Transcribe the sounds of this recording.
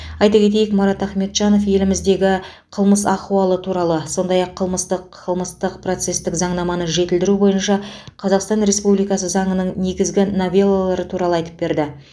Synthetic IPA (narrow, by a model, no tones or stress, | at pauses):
ɑjt̪ɑkʲʰe̞t̪̬e̞jɪkmɑɾɑt̪æχme̞t̪ʒ̥ɑno̞fje̞lɪmɪzd̪e̞ɡʲɪ | qʰəlˠməsɑquɑlˠət̪ʰuɾɑlˠəso̞nd̪ɑjɑqʰːəlˠməst̪əqʰːəlˠməst̪əqpro̞t̪se̞st̪ɪkzɑɴnɑmɑnəʒe̞t̪ɪld̪ɪɾubo̞jənʃɑqʰɑzɑqst̪ɑnɾe̞spublijkɑsəzɑɴənəɴne̞ɡʲɪzɡʲɪnovʲe̞lˠːalˠɑɾət̪ʰuɾɑlˠəɑjt̪ə̥p̚be̞ɾd̪ɪ